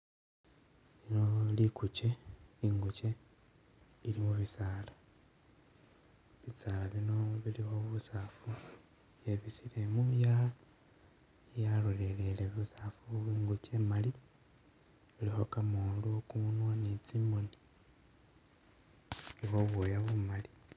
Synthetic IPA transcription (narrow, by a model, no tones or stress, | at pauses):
linolikut͡ʃeiŋɡut͡ʃe̞ | ilimuβisaːla | βisalaβino̞βilixo̞βusafu | jeβisile̞muja | jalole̞le̞leβusafuβiːŋɡut͡ʃe̞mali | βilixo̞kamuluokumunwanet͡simoni | ilixo̞βojaβumali